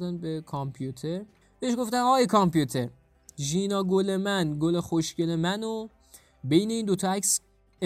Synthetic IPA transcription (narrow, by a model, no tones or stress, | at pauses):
d̪ænbekʰɒmpʰjut̪ʰeɾ | b̥eeʃɡoft̪ænɒːjekʰɒmpʰjut̪ʰe̞ɾ | ʒiːnɒːɡole̞mænɡolexoʃcele̞mæno | be̞jne̞iːnd̪ot̪ʰɒæks | e